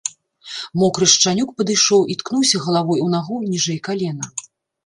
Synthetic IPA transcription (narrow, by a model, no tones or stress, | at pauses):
mɔkɾɨʂt͡ʂanʲuk̚pɐd̪ɨjʂɔwʔit̪knuwsʲɐɣɐlˠavɔjunaɣɔnʲiʐɛjkalʲɛnɐ